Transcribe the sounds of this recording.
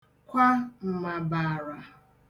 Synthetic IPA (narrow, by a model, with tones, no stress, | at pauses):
kʷa˦m̩˨ma˨ba˨ɾa˨